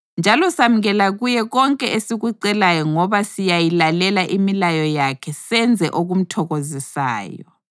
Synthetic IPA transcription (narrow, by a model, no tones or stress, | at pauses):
nd͡ʒʱalɔsam̩ɣɛlaɣujɛɣɔŋkʼɛʔesiɣuǀɛlajɔŋɔβasijajilalɛlaʔimilajɔjakʰɛsɛnd͡zʱɛʔoɣum̩tʰɔɣozisa̰ːjɔ̰